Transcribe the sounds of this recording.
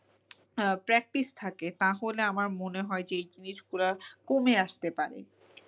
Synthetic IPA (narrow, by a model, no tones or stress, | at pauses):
pɾɛk̚ʈist̪ʰaket̪aɦoleamaɾmoneɦɔed͡ʑeejd͡ʑiniʃkuɾakomeaʃt̪epaɾḛ